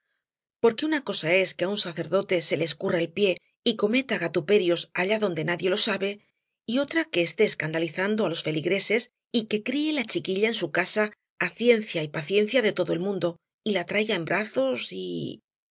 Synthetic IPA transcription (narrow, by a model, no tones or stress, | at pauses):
po̞ɾke̞unako̞sae̞skeaunsaθe̞ɾðo̞t̪e̞se̞leːskuraelpje̞ | iko̞me̞t̪aɣat̪upe̞ɾjo̞saʎaðo̞nd̪e̞naðjelo̞saβe̞ | io̞t̪ɾake̞ːst̪e̞ːskand̪aliθand̪oalo̞sfe̞liɣɾe̞se̞s | ike̞kɾie̞lat͡ʃikiʎae̞nsukasaː | θje̞nθjaipaθje̞n̟θjaðe̞t̪o̞ðo̞e̞lmũnd̪o̞ | ilat̪ɾajaembɾaθo̞sḭ